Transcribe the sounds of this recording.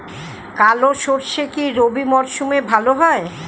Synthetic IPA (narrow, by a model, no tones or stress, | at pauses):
kaloʃoɾʃekiɾobimɔɾʃumebʱaloɦɔe